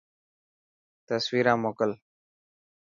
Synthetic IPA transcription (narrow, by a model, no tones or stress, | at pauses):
t̪əswiːɾãːmoːkəl